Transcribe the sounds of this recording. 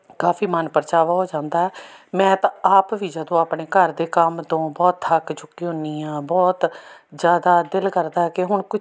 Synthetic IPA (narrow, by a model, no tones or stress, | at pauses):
kaːfʰiːmənpəɾt͡ʃaːʋaːɦoːd͡ʒãːnd̪aːɦɛːmɛ̃ːt̪ãaːpʋiːd͡ʒəd̪õːaːpɳeːkəɾd̪eːkəmt̪õːbɔːt̪həkt͡ʃʊkːiːɦʊniːãːbɔːt̪zjaːd̪aːd̪ɪlkəɾd̪aːɦɛːkɪɦʊɳkʊ